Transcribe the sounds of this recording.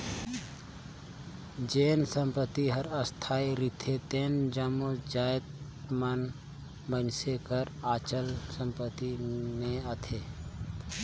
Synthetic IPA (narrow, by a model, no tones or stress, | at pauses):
d͡ʒeːnsə̃mpət̪iɦəɾəst̪ʰaːiɾit̪ʰet̪eːnd͡ʒəmod͡ʒaːjt̪̚ | man | mənsekəɾaːt͡ʃəlsəmpət̪imẽət̪ʰeː